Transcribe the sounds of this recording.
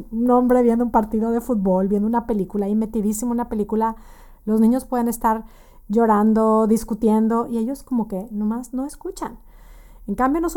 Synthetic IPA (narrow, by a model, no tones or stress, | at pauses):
unõ̞mbɾeβje̞nd̪oumpaɾt̪iðo̞ðe̞fut̪̚bo̞lbje̞nd̪ounape̞likulaime̞t̪iðisimounape̞likula | lo̞znĩɲo̞spwe̞ðe̞ne̞st̪aɾ | ʝo̞ɾand̪o̞ðiskut̪je̞nd̪o̞ʔie̞ʝo̞sko̞mo̞ke̞nomazno̞eskut͡ʃan | eŋkambjonos